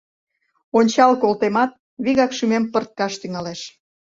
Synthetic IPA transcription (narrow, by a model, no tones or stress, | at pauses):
onʲt͡ɕɑlkolt̪emɑt̪̚ | βiɣɑkʃymempərt̪̚kɑʃt̪yŋɑleʃ